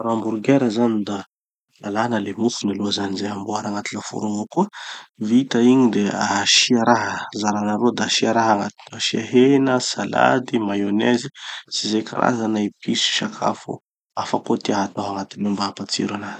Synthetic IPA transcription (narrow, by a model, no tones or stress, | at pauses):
ɾambuɾɡeɾəzanid̪a | lalanəlemufunaluazanizeamboaɾaŋat̪ilafṵɾuŋokuəvit̪aiɲid̪eaʃiaɾaɦəzaɾanaɾod̪aʃiaɾaɦaŋat̪i̥aʃiaɦenəsala̰d̪imajonɛzisizekʰa̰ɾʔa̰zanaipʰisu̥ʃakʰa̰fṵ | afakot̪iaɦat̪aɦaŋat̪ilumbaapat͡sḭɾanat̪i̥